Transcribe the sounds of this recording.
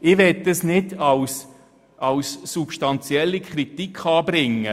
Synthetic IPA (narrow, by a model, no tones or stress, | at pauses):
ɪʋɛt̚dəsnɪdɑws | ʔɑwsːupʃtɑnt͡sjɛlːikʰχɾit̪ikʰχɑːbɾɪŋːə